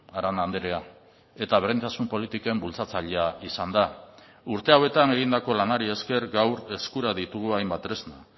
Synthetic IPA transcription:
aɾand̪and̪eɾea | e̞t̪aβerejnt̪asumpo̞lit̪ikoe̞mbult͡sat͡saʎeaisand̪a | uɾt̪e̞awe̞t̪ane̞ɣ̞ind̪ako̞lanaɾie̞ske̞ɾɡawɾe̞skuɾaðit̪uɣuajmbat̪ɾezna

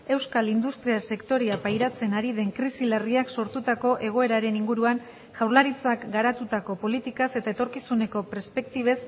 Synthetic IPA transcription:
e̞wskalind̪ust̪ɾiase̞kt̪o̞ɾiapajɾat͡se̞naɾiðe̞ŋkɾisilariakso̞ɾt̪ut̪ako̞ʔe̞ɣ̞o̞e̞ɾaɾe̞niŋɡuɾuan | ʝawɾlaɾit͡sakɡaɾat̪ut̪ako̞po̞lit̪ikase̞t̪ae̞t̪o̞ɾkisune̞ko̞peɾspe̞k̚t̪iβ̞e̞s

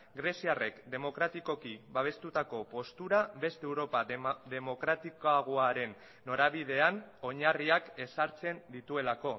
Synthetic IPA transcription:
ɡɾe̞siare̞kd̪e̞mo̞kɾat̪iko̞kiβaβ̞e̞st̪ut̪ako̞po̞st̪uɾabe̞st̪eewɾo̞paðe̞mo̞kɾat̪ikoaɣoaɾe̞nː | o̞ɾaβið̞e̞ano̞ɲariake̞saɾt͡se̞nd̪it̪ue̞lako̞

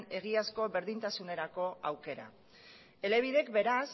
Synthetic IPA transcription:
ne̞ɣiasko̞βe̞ɾðint̪asune̞ɾako̞awke̞ɾa̰ | e̞le̞β̞iðe̞kbe̞ɾas

